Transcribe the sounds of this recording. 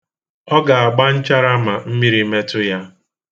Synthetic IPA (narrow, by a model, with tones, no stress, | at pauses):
ɔ˦ɡa˨a˨ɡ͡ba˦n̩˦t͡ʃa˦ɾa˦ma˨m̩˦mi˦ɾi˦me˦tʊ˦ja˦